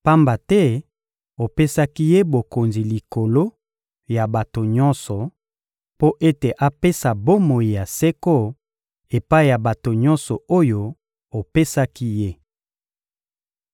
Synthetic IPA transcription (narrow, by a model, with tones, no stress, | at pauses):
pa˦mba˨tɛ˦ | o˨pe˦sa˦ki˦je˦bo˨ko˨nzi˨li˨ko˨lo˦ | ja˨ba˨to˨ɲɔ˦nsɔ˨ | po˦ʔe˦te˨ʔa˦pe˦sa˨bo˦mo˨ji˨ja˨sɛ˦ko˦ | e˨pa˦i˦˨ja˨ba˨to˨ɲɔ˦nsɔ˨o˦jo˦ | o˨pe˦sa˦ki˦je˦